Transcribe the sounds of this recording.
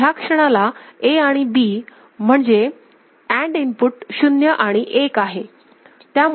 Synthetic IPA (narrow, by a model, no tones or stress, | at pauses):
jakʂəɽ̃alaeaɽ̃ibi | m̤əɳd͡ze | æɳɖinpuʈɕunjəʔaɽ̃iʔekaɦe | t̪jam